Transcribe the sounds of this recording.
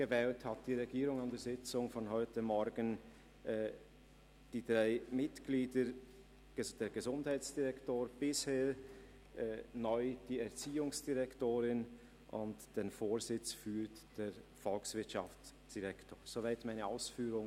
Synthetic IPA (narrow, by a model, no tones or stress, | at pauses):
ɡ̥əvɛːlthɑt̚d̥iːʁɛɡiːʁʊŋandɛːɐzɪt͡sʊŋfɔnɦɔʏtəmɔɾɡən | ɛ | d̥iːdʁaɪmɪtɡ̥liːdə̥ | əd̥eːɡəzʊndhaɪt͡sd̥iʁɛktoːɾb̥ɪsheː | ʔɛːnɔʏd̥iːɛɐʁt͡siːʊŋsd̥iʁɛktoːɾɪn | ʔʊntd̥eːnfoːɾzɪt͡sfyːtd̥eːɾfɔlksvɪɐtʃɑf | d̥iʁɛktʰoːz̥ovaɪtmaɪnəaʊsfyːɾʊŋ